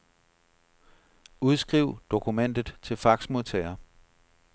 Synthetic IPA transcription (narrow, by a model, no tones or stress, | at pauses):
uð̞ˠsɡ̥ʁiʊd̥o̝kʰumen̰d̥ð̩ˠt͡sʰe̝lfɑ̈ɡ̥smoðˠt͡sʰɛɪɐ